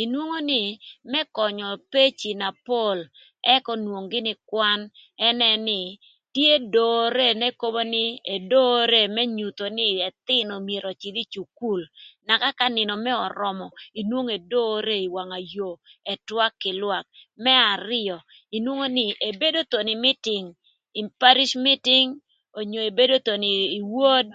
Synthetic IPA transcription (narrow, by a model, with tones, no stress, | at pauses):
i˨nwo˦ŋo˦nɪ˨mɛ˦kɔ˨ɲɔ˨pe˦t͡ʃi˨na˨po˦˨l | ɛ˦kɔ˦nwo˨ŋɡɪ˦nɪ˦kwa˦nɛ˦nɛ˦nɪ˨ | tje˦do˨ɾe˦nɛ˦ko˦bo˦nɪ˦e˨do˦ɾe˦˨mɛ˦ɲu˨t̪o˨nɪ˦ɛ˨t̪ɪ˦no˨mje˨ɾo˨t͡ʃɪ˨d̪i˦t͡ʃu˨ku˦˨lna˨ka˦ka˦nɪ˨nɔ˨mɛ˦ɔ˨ɾɔ˨mɔ˨i˨nwo˦ŋe˨do˦ɾe˦i˨wa˨ŋa˨jo˨ɛ˨twa˦kːɪ˨lwa˨k̚mɛ˦a˨ɾɪ˦ɔ˨ | i˨nwo˦ŋo˦nɪ˦˨ʔe˨be˦do˦t̪o˨ni˨mɪ˦tɪ˨ŋ | i˨pa˦ɾi˦ʃmɪ˦tɪ˦ŋ | o˨ɲo˨e˨be˦do˦t̪o˨niː˨wo˦d̚